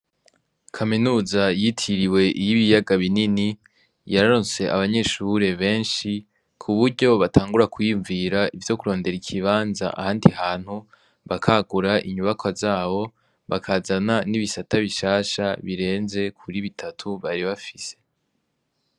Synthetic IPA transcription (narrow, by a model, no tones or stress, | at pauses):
kʰaminuːzajitʰiɾiwe̞ʔijiβijaɡaβinini | jaɾaɾose̞ʔa̰βaɲe̞ʃuɾe̞βe̞ːnʃi | kʰuβuɾɟo̞βatʰaːŋɡuɾakʰujiːɱviɾaʔivjo̞kuɾo̞ːnde̞ɾikʰiβaːnza̰ʔa̰haːndihaːn̥hu | βakʰaɡuɾaʔḭɲuβakʰwavzaːβo̞ | βakʰazananiβisataβiʃaːʃaβiɾe̞ːnze̞kʰuɾiβitʰatʰuβaɾiβafise̞̥